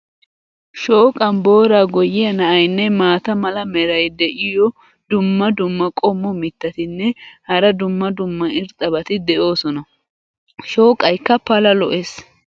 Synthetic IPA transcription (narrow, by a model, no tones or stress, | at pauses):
ʃo̞ːkʼɐnbo̞ːɾaːɡɔjːɪɐnɐʔɐjnːɛmaːt̪ɐmɐlɐmɛɾɐjd̪ɛʔɪjɔ | d̪ʊmːɐd̪ʊmːɐkʼɔmːɔmɪt̪ːɐt̪ɪnːɛhɐɾɐd̪ʊmːɐd̪ʊmːɐɪɾt̪ʼɐbɐt̪ɪd̪ɛʔo̞ːsɔnɐ | ʃo̞ːkʼːɐjkːɐpɐlɐlɔʔeːs